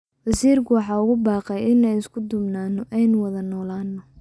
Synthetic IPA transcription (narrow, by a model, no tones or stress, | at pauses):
wɐsiːrkʰʊwɑħɑːʊɣʊbɑːqɛjɪnɛjɪskʰʊd̪ʊbnaːnɔʔɛjnʊwɐðɐnɔːlaːnːɔ